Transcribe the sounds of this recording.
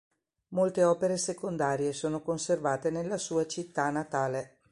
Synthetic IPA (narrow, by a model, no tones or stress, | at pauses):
molt̪eɔːpeɾesekond̪aːɾjesoːnokonservaːt̪enelːasuːat͡ʃit̪ːanat̪aːle